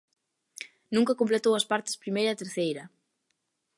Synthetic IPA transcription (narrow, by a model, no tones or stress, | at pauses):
nũŋkɐkomplet̪owɐspaɾt̪ɪ̥spɾimejɾɐːt̪eɾθejɾɐ